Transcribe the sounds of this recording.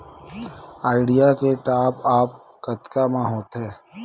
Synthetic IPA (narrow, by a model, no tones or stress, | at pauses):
aːɪɖijakeʈaːpaːp̚ | kət̪kamãɦoːt̪ɦɛ̃ː